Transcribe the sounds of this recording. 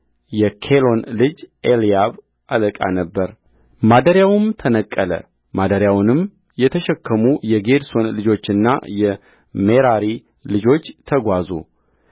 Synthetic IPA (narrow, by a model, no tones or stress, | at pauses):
jɛkʰelo̞nlɨd͡ʒʔelijaβ | ʔaləkʼa̰nəbːəɾ | mad̪əɾjawmt̪ʰənəkʼːələ̰ | mad̪əɾjawnɨm | jɛt̪ʰəʃɛkːəmujɛɡe̞d̪so̞nlɨd͡ʒo̞t͡ʃːɨnːa̰jɛ | meɾaɾi | lɨd͡ʒo̞t͡ʃːt̪ʰəɡʷazṵ